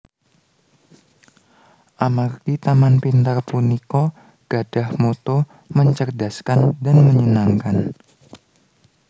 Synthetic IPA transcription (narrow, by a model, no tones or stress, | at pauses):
ʔamarkit̪amanpint̪arpunikɔ | ɡ̥ad̥ahmot̪ɔ | məɲt͡ʃərdaskandanməɲənaŋkan